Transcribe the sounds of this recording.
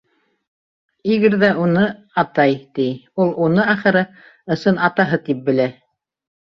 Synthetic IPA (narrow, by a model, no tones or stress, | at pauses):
iɡɘɾðæunɤ | ɑt̪ɑjt̪ijulˠunɤɑχɘ̆ɾɤ | ɤ̆sɤnɑt̪ɑɦɤt̪ip̚bɘ̆læ